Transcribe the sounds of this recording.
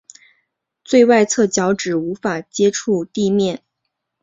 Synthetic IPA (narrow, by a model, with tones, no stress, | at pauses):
t͡swe˥˧ɪwa˥˧ɪt͡sʰɤ˥˩t͡ɕjɑ˧˥ʊʈ͡ʂɻ̩˨˩u˧˥fa˨˩t͡ɕjɛ˥ʈ͡ʂʰu˥˧t̪i˥˧mjɛ˥˩n